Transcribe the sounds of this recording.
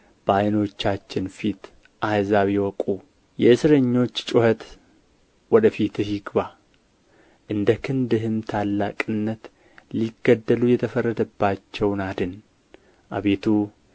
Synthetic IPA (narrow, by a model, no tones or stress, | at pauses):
b̥əajno̞t͡ʃːat͡ʃːɪnfit̪ | ʔajzawiwɔkʼu | jɛɨsɾəɲːo̞t͡ʃːt͡ʃʼʊhət̪ | wɔd̪əfit̪ɨʃɪɡβa | ʔɨnd̪əkʰɨnd̪ɨɦɨmt̪ʰalːakʼɨnːət̪ | liɡəd̪ːəlujɛt̪ʰəfərːəd̪əbːat͡ʃːɛwnad̪ɨn | ʔa̰βet̪ʰu